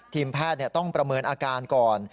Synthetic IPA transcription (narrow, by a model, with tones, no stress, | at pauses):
t̪ʰiː˧mpʰɛː˥˩t̪̚ni˥˩ɐt̪ɔ˥˩ŋpɾa˧mɤː˧nʔaː˧kaː˧nkɔː˨˩n